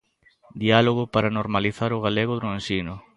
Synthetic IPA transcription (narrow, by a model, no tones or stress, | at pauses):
d̪ialoɣʊpaɾanoɾmaliθaɾʊɣaleɣʊðɾoensinʊ